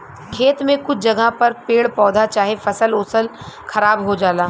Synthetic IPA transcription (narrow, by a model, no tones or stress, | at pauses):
kʰeːt̪mẽkʊt͡ʃʰd͡ʒɐɡʱapɐɾpeːɽpɔːd̪ʱat͡ʃaːɦefɐsəloːsəl | xʰɐɾaːbɦod͡ʒaːlaː